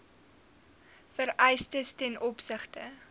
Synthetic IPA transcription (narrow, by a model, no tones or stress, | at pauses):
fəɾɛjstəstɛnʔɔpsəχtə